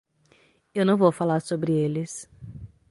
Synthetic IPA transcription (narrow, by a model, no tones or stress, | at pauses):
ewnɐ̃w̃vowfalaɾsobɾɪelɪs